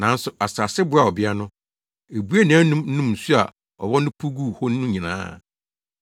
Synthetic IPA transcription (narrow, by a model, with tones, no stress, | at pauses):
nã˨˦n̩˦sʊ˨a˨sa˨sɪ˦bʊ˦a˨ɔ˨bɪ˦a˦nʊ̃˦ | e˨bu˦a˦nã˨˦nũ˦mn̩˦nũ˦m̩˨su˦a˨ | ɔ̰˨wɔ˦nʊ̃˦pʰu˦ɡu˦˨hɔ˦n˦nʊ̃˦ɲĩ˨nã̰ː˦